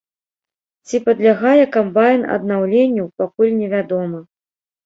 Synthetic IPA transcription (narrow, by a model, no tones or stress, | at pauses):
t͡sʲipɐd̪lʲaɣajɛkambajnɐ̰d̪nawlʲenʲːɐwpakulʲnʲɛvʲad̪ɔmɐ